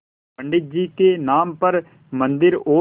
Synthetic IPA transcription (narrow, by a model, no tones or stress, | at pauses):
bəɳɖɪt̪̚d͡ʒiːkeːnaːmpəɾ | mə̃nd̪ɪɾoː